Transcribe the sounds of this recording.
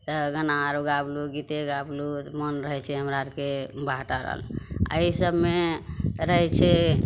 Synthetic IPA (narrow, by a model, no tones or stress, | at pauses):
t̪əɡənaɾuɡabluɡit̪eɡablut̪mənɾəɦɛt͡ʃʰɛɦəmɾaɾkebʱaʈaɾə̰ɦə̰la̰isəbʱmeɾəɦɛt͡ʃʰe